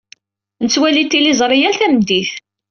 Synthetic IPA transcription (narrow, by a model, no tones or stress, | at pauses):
nət͡sːwælit̪ːilizˤɾˤijælθæmd̪iθ